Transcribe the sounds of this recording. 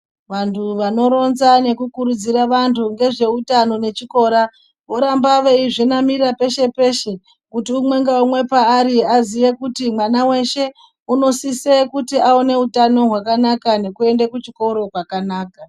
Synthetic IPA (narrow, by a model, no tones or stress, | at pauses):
ʋantʰuʋano̞ɾo̞nzane̞kukuɾud͡ziɾaʋantʰuŋɡe̞ʐe̞utano̞ne̞t͡ʃiko̞ɾa | ʋo̞ɾambaʋeiʐinamiɾape̞ʃe̞pe̞ʃe̞ | kutiumwe̞ŋɡaumwe̞paːɾiazijekutimwanawe̞ʃe̞ | uno̞sisekutiaone̞utano̞ɦwakanakane̞kue̞ndekut͡ʃiko̞ɾo̞kwakanaːka